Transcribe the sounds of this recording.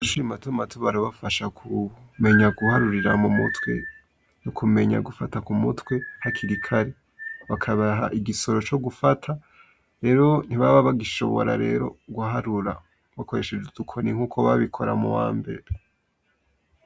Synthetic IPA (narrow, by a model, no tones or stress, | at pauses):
uʃuimatumatuβaɾoβafaʃakʰume̞ɲaɡuhaɾuɾiɾamumṵtwe̞̰ | nokʰume̞ɲa̰ɡufatakumutwe̞hakʰiɾikʰaɾe | βakʰaβaɦaʔiɡiso̞ɾo̞t͡ʃo̞ɡufatʰa | ɾe̞ːɾo̞n̥iβaβaβaɡiʃo̞̰βo̞̰ɾa̰ɾe̞̰ːɾo̞̰ɡwaɦaɾuɾa̰ | βako̞ɾe̞ʃed͡ʒedukʰo̞niŋ̥uːkʰo̞βaβikʰo̞ɾa̰mṵwa̰ːmbe̞̰ɾe